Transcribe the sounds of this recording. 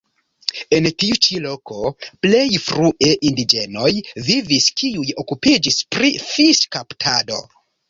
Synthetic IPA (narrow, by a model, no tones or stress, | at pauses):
e̞ntiut͡ʃilo̞ko̞ple̞jfɾuʔe̞ʔindid͡ʒe̞no̞jviviskiujo̞kupid͡ʒispɾifiskaptʰado̞̰